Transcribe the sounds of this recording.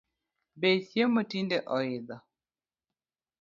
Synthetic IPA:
besjemotindɛʔɔɪd̪ɔ

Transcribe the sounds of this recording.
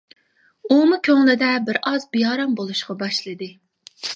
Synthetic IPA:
umʊkʲʰøŋlˠɪd̪ɛbɪɾɑzbijɑːɾɑmbolˠuʃqɑbɑʃlˠɨd̪ɨ

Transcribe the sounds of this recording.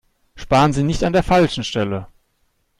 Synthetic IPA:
ʃpaːʁənziːnɪçtandeːɐfalʃn̩ʃtɛlə

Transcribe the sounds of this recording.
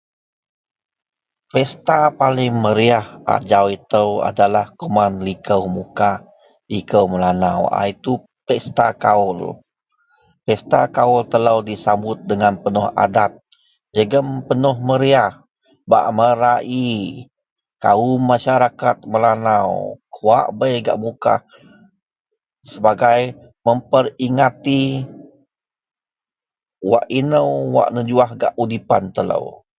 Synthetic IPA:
fɛst̪apalɪŋməɾiahʔa̰d͡ʒawit̪əwa̰dalahkumanlikəwmuka | likəwməlanawa̰it̪u | pɛst̪akaʊl | pɛst̪akaʊlt̪əlawdisambʊt̪̚dəŋanpənɔha̰dat̪̚ | d͡ʒəɡəmpənɔhməɾiah | ba̰ʔməɾaʔi | ka̰umːaʃaɾakat̪̚məlanawkʰuwa̰ʔbəjɡa̰ʔmuka̰h | səbaɡaj | məmpəɾiŋat̪i | wa̰ʔinəwwa̰ʔnəd͡ʒuahɡa̰ʔudipa̰nt̪ələ̰w

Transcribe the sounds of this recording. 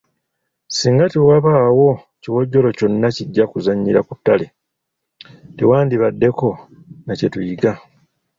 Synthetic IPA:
siːŋɡatewaβaːwo̞ | ciwo̞ɟːo̞lo̞co̞nːaciɟːakuzaɲːiɾakutːale | tewaːndiβadːe̞ko̞ | nace̞tujiɡa

